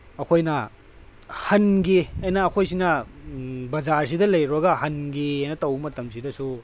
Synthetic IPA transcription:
ɐkʰojnɐ | hɐnɡiɐjnɐːkʰojsinɐ | bɐzaɾsidɐlɐjɾɐɡɐhɐnɡiɐjnɐtɐwmɐtɐmsidɐsu

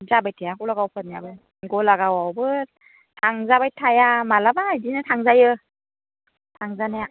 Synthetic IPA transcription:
zabajtʰejakɔlaɡawpʰat̚njabɯ | ɡɔlaɡawawbɯ | tʰaŋzabajtʰajamalabajdinɯtʰaŋzajɯ | tʰaŋzanaja

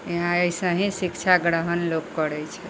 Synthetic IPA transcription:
ɦãejsə̃ɦĩsikt͡ʃʰaɡɾəɦənlokkəɾɛt͡ʃʰɛ

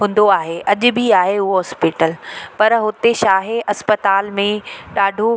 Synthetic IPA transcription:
ɦʊ̃ːn̆d̪oaːɦeʔɐʄʊ̆bʱiaːɦeʊɦoɦɔspɪːʈəlpɐɾɦʊt̪eʃaːɦeʔɐspət̪aːlmẽɗaːɖʱo

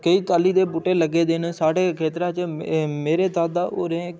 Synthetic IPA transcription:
kəiːt̪aːliːd̪eːbʊʈeːləɡːeːd̪eːnsaːɽeːkʰeːt̪ɾãːt͡ʃmeːɾeːt̪aːd̪aːʔo̰ːɾẽ

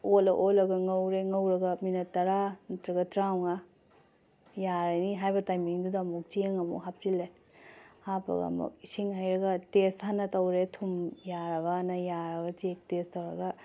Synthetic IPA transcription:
olɐʔolɐɡɐŋɐwɾeŋɐwɾɐɡɐminɐtːɐɾamɐtɾɐɡɐtɾawŋa | jaɾajniɦajbɐtajmiŋdudɐmuk̚t͡ʃieŋɐmṵɦap̚t͡ʃilːe | hapɐ̰ɡɐ̰mṵk̚isiŋhajɾɐɡɐtesthanːɐtɐwɾetʰumjaɾɐbɐnɐjaɾɐɡɐt͡ʃek̚testɐwɾɐɡɐ

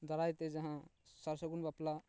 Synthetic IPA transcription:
d̪ɔɾajt̪ed͡ʒɐɦãsəɾsəɡunbapla

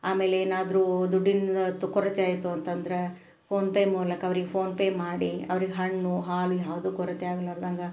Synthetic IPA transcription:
aːme̞ːleeːnaːd̪ɾuːd̪uɖːint̪ːukɔɾɐt̪eaːjit̪uɐnt̪ɐnd̪ɐɾe | pʰo̞ːnpeːmuːlɐkɐʋɐɾiɡepʰo̞ːnpeːmaːɽiɐʋɐɾiɡeɦɐɳːuɦaːlujaːʋɐd̪uːkɔɾɐt̪eaːɡɐlɐɾd̪ɐŋɡɐ

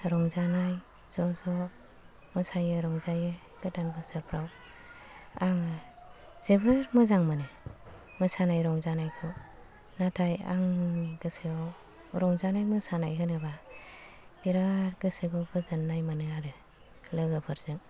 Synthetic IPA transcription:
ɾɔŋzanaj | z̥ɔzɔ | mɯsajɯɾɔŋzajɯ | ɡ̥ɯtanbɯsɯɾpʰɾaw | aŋɯ | z̥ebɯɾmɯzaŋmɯnɯ | mɯsanajɾɔŋzanajkʰɔ | natʰaja̰ŋɡɯseɡɔ | ɾɔŋzanajmɯsanajɦɯnɯba | biɾaɾɡɯseɡɔɡɯzɯnːajmɯnɯaɾɯ | lɯɡɯpʰɯɾzɯŋ

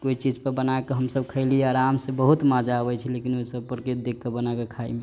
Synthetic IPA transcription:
koit͡ʃid͡ʒpəɾbənakeɦəmsəb̚kʰəɪlieaɾamsẽbəɦut̪mad͡ʒaəbɛt͡ʃʰɛlekinoisəbpəɾkit̪̚d̪ekʰːebənakekʰaḭme

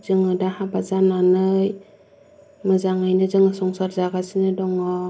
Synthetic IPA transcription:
zɯŋɯdahabazananɯj | mɯzaŋajnɯzɯŋɯsɔŋsaɾzaɡasinɯdɔŋɔ

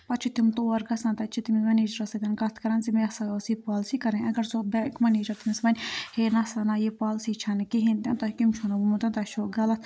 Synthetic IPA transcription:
pɐt͡ʃʰit̪ʰimt̪oːɐɾɡɐsãnt̪ɐt͡ʃʰit̪imimɐneːd͡ʒɐɾɐsɐt̪ʲɐnkɐt̪ʰkɐɾɐnsimiɐsɐɡɐlsipaːlsikɐɾẽɐɡɐɾsobɛkmɐneːd͡ʒɐɾt̪ʰimismɐnʲheːnɐsɐnaːjepaːlsit͡ʃʰɐnkiɦint̪ʲɐ̃nt̪ɐkimt͡ʃʰonabumut̪ɐnt̪ɐʃʰoɡɐlɐt̪ʰ

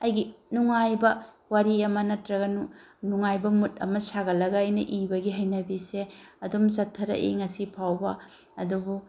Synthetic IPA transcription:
ɐjɡinuŋajbɐ | waɾiɐmɐnɐtɾɐɡɐnunuŋajbɐmut̚ɐ̰mɐsaɡɐlɐɡɐɐjnɐʔibɐɡiɦɐjnɐbiseɐdumt͡ʃɐtʰːɐɾɐ̰ʔḛŋɐsipʰawbɐ | ɐ̰dubu

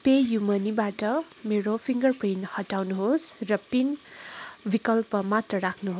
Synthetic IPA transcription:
pejumʌnibaʈʌ | meɾopʰiŋɡʌrprinhʌʈawnuɦosrʌpin | bikʌlpʌmat̪rʌɾakʰnuɦos

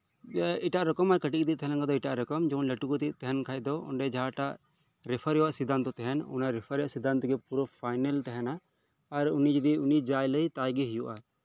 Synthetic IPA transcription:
iʈaʔɾɔkɔmaɾkəʈik̚d̪it̪ɛɦɛ̃nãŋɡad̪ɔiʈaʔɾɛkɔmd͡ʒɔnləʈukɔt̪iʔt̪ɛɦɛnkʰajd̪ɔɔ̰ɳɖɛd͡ʒaɦaʈaʔ | ɾɛpʰəɾjɛwaʔsid̪ant̪ɔt̪ɛɦɛnɔ̰naɾɛpʰəɾɛwaʔsid̪ant̪ɔɡɛpuɾɔpʰajnɛlt̪ɛɦɛnaː | ɾunid͡ʒid̪iunid͡ʒajləjt̪ajɡiɦijuʔa

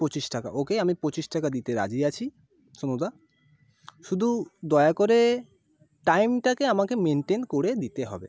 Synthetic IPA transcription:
pɾot͡ɕiʃʈaka̰okeamipɾot͡ɕiʃʈakad̪it̪eɾa̰d͡ʑiat͡ɕʰi | ʃonod̪a | ʃud̪ʱud̪ɔeakoɾe | ʈajmʈakeamakemeɳʈenkoɾed̪it̪eɦɔ̰bḛ

